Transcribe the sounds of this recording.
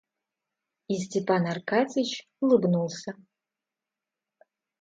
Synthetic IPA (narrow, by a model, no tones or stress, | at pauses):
istʰepʰanarkʰat͡sʰʼɨt͡ʃ | lɨbnulˠsɐ